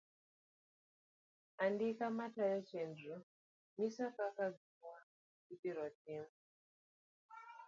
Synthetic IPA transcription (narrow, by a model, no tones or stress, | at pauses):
andikamatajot͡ʃendu | misakakaɡiwa | itiɾɔtimu